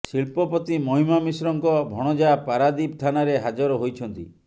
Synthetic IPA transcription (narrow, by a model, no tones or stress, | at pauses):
silpɔpɔt̪imɔɦimamisɾɔŋkɔbʱɔɽ̃ɔd͡ʒapaɾad̪ip̚t̪ʰanaɾeɦad͡ʒɔɾɔɦojt͡ʃʰɔnt̪ḭ